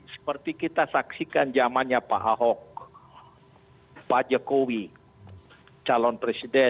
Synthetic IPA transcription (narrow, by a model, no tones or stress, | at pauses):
sə̥pərt̪ikit̪asaksikand͡ʒamanɲapa̰ʔaɦɔk̚ | pad͡ʒɔkowi | t͡ʃalɔnpɾesidɛ